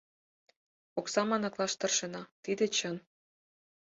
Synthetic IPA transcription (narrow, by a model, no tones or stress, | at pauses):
oksɑmɑnɤ̆klɑʃt̪ɤ̆rʃenɑt̪id̪et͡ɕɤn